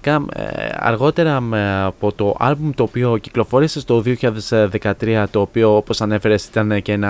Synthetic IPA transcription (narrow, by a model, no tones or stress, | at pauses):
kɐɐ̰ɾɣo̞t̪e̞ɾɐmeɐpo̞t̪o̞ʔɐ̰lbumt̪o̞ːpio̞ciklo̞fo̞ɾise̞st̪o̞ðio̞çiʎaðezðe̞kɐt̪ɾiɐt̪o̞ːpio̞opo̞sɐne̞fe̞ɾe̞si̥t̪ɐncenɐ